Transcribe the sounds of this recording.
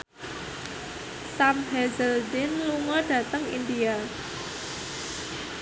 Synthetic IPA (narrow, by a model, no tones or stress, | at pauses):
samɦɛzəldɪnluŋɔɖ̥ä̤t̪əŋḭndia